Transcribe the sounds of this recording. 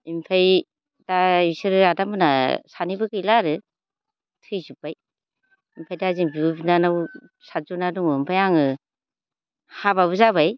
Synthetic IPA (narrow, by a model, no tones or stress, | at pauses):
impʰaj | daisɯɾɯadamɯnasanibɯkɯlaɾɯ | tʰɯjzupːaj | impʰajdaziŋbiubinanaw | sazunaduŋɯimpʰajaŋɯ | habaβɯzabaj